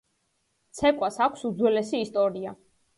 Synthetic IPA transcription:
t̪sʰɛkʼwasakʷʰsud̪zwɛlɛsiːst̪ʼɔɾia

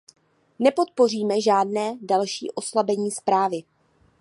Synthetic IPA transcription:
nɛpo̞t̪̚po̞r̝iːmɛʒaːdnɛːdalʃḭːʔo̞slabɛɲiːspɾaːvɪ

